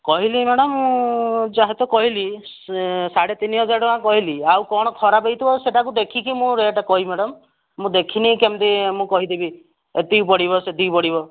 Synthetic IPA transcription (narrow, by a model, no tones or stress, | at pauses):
kɔɦilimeɽɔmːũd͡ʒaɦet̪ɔkɔɦili | saɽet̪iniɦɔd͡ʒaɾɔmãkɔɦiliawkɔɽ̃ɔkʰɔɾapejt̪ʰibɔseʈakud̪ekʰikimũɾeʈakɔɦimeɽɔmː | ũd̪ekʰinikemt̪imũkɔɦid̪ibi | et̪iupɔɽiβɔset̪iupɔɽibɔ